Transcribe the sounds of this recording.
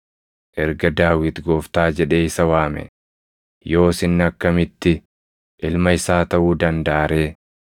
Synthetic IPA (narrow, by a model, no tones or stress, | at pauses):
ʔɛɾɡɐd̪aːwɪt̪ɡo̞ːft̪aːd͡ʒɛᶑe̞ːɪsɐwaːmɛ̰ | jo̞ːsɪnːɐkːɐmɪt̪ːɪ | ʔɪlmɐɪsaːt̪ɐʔuːd̪ɐnd̪aːɾe̞ː